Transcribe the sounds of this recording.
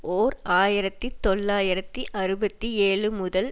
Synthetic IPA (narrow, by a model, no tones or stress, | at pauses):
oːɾaːjɪɾɐt̪ːit̪ːɔɭːaːjɪɾɐt̪ːiʔɐɾɯbɐt̪ːieːɭɯmʊðɐl